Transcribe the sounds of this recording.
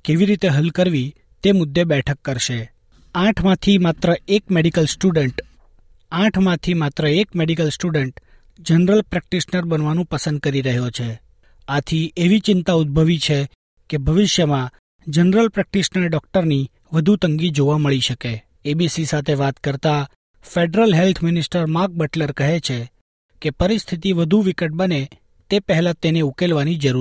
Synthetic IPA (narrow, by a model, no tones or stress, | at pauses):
keʋiɾit̪eɦəlkəɾʋi | t̪emʊd̪ːebɛʈʰəkːəɾʃe | ãʈʰmãt̪ʰimat̪ɾəekmeɽikəlsʈuɖəɳʈ | ãʈʰmãt̪ʰimat̪ɾəekmeɖikəlsʈuɖəɳʈ | d͡ʒənɾəlpɾɛk̚ʈiʃnəɾbənʋanũpəsənd̪̚kəɾiɾəɦjot͡ʃʰe | at̪ʰiʔeʋit͡ʃɪnt̪aud̪̚bʱəʋit͡ʃʰe | kebʱəʋɪʃjəmã | d͡ʒənɾəlpɾɛk̚ʈiʃnəɾɖɔk̚ʈəɾni | ʋəd̪ʱut̪əŋɡid͡ʒoʋaməɭiʃəke | ebisisat̪ʰeʋat̪kəɾt̪a | feɖɾəlɦelt̪ʰmɪnɪsʈəɾmaɾk̚bəʈləɾkəɦet͡ʃʰe | kepəɾɪst̪ʰit̪̬iʋəd̪ʱuʋɪkəʈ̚bəne | t̪epəɦɛlat̪eneukelʋanid͡ʒəɾu